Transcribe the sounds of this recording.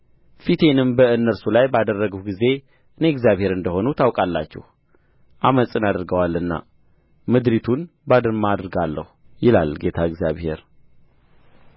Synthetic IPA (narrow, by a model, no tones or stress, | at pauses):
fit̪ʰe̞nɨmbəɨnːəɾsulajbad̪ərːəɡutɡize̞ | ʔɨne̞ɛɡzjaβhe̞ɾɨnd̪əho̞nut̪ʰawkʼalːa̰t͡ʃːɛ̰h | ʔaməsʼɨnad̪ɨɾɡəwalːɨnːa̰ | mɨd̪ɾit̪ʰun | bad̪ɨɾmaad̪ɾɡalːə̰hu | jɪla̰lɡe̞t̪ʰaɨɡzja̰βhe̞̰ɾ